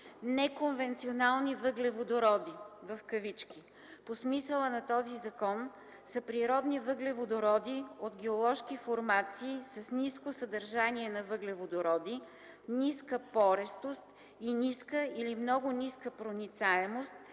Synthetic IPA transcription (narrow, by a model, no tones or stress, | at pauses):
nɛkonvɛnt̪sionalˠnivəɡlɛvod̪oɾɔd̪ivɐfkəvit͡ʃki | posmisəlˠənɐt̪ɔzizɐkɔn | səpɾiɾɔd̪nivəɡlɛvod̪oɾɔd̪iod̪ɡɛolˠɔʃkifoɾmat̪siːsɐsniskosəd̪əɾʒaniɛnɐvəɡlɛvod̪oɾɔd̪i | niskəpɔɾɛst̪ost̪ | iniskəilimnɔɡʊniskəpɾonit̪saɛmost̪̚